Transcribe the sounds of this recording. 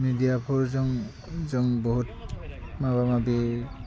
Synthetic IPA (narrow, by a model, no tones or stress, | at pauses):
midijapʰɔɹzɔŋ | zɔŋbɔɦut̚maβamabi